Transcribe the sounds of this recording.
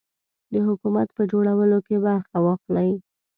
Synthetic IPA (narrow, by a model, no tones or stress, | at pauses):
d̪əɦʊkumat̪pəd͡ʒoɽawəlokebaɾxawɑxlaj